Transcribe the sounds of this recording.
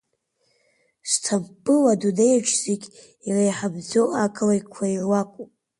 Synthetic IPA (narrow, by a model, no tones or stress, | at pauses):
stʰabːɨwadunejaʈ͡ʂʰz̥eɡʲ | irajħabd͡zoʔakʰlajkʷʰaiʕwakʷʼupʼ